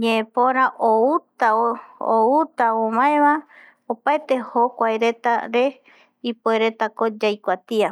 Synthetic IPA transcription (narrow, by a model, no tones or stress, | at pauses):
ɲẽːpoɾaʔout̪aout̪aomãẽβa | opaet̪e̞hokʷajɾe̞t̪a̰ɾe̞ | ipoeɾe̞t̪akod͡ʒajkʷat̪ia